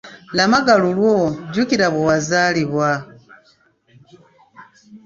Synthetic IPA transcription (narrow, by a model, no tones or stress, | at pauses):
lamaɡalulwoɟukiɾaβowazaːliβwa